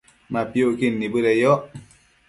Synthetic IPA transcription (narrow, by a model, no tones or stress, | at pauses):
mapjokinːibɨɾɛjɔʔ